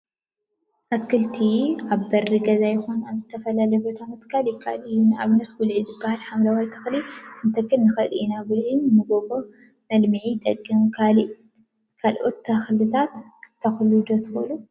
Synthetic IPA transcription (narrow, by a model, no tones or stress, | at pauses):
ʔat̪kʰɨlt̪ʰiaβbɐrːiɡɐzajɪxunaβzɨt̪ʰɐfɐlalɐjbot̪ʰamɐt̪ʼɨ̥kʰːaljɪkʰːaʔlɨjunɨʔaβnɐt̪ɡʊlʕizɨbːahalħamlawajt̪ʰɐxliʔɨnt̪ʰɐkʰːɨnːɨxɐɨlɨinaɡʊlʕinɨmɨɡo̞ɡo̞ | mɐlmɨʕit̪ʼɐkʼːimkʰa | kʰalʔo̞t̪ːʰɐxlɨt̪ʰat̪t̪ʰːɐxlud̪ot̪ʰɨxlu